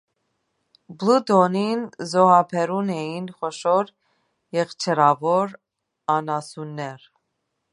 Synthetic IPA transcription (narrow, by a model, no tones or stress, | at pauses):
blud̪ɔninzɔhɑpʰɛɾunɛjinχɔʃɔɾ | jɛχt͡ʃʰɛɾɑvɔɾ | ɑnɑsunːɛɾ